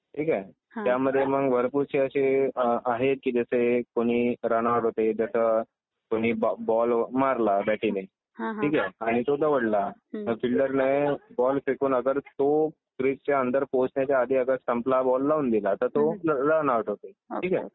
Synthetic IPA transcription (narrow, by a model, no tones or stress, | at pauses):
ʈʰiːka | t̪jaməd̪ʱːjeməɡʋəɾpuɾt͡ɕʰeəɕeaɦet̪̚kiːd͡ʑəsekoɽ̃iːɾañaʋəʈɦot̪ed͡ʑəsə | koɽ̃iːbbɔlmaɾlabæʈine | iːkɛaɽ̃it̪od̪əʋəɽlafilɖəɾnebɔlfikuːnəɡəɾt̪o | kɾipt͡ɕaənd̪əɾposnjat͡ɕjaad̪iəɡəɾsʈəmplabɔlːaund̪ilaːt̪at̪oɾanaʋəʈɦot̪eʈʰiːkɛ